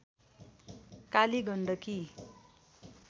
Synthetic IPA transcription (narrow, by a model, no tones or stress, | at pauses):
kaliɡʱʌɳɖʌki